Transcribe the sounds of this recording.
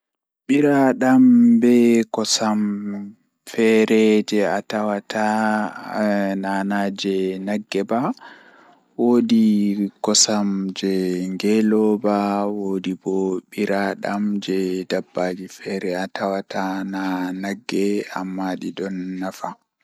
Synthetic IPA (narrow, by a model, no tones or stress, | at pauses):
ɓiɾaɗambɛkɔsam | fɛɾɛd͡ʒɛatawata | nanad͡ʒɛnaɡːɛba | woːdikɔsamd͡ʒɛŋɡɛlɔbawodibɔɓiɾaɗa̰md͡ʒɛdabːad͡ʒifɛɾɛatʰawatʰananaɡːɛa̰mːaɗiɗɔnːafa